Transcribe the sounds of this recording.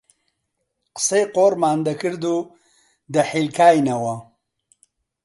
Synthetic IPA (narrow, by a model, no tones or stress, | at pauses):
qseqoːɾmaːnd̪ɐkɨɾd̪u | d̪əħilkaːjnawa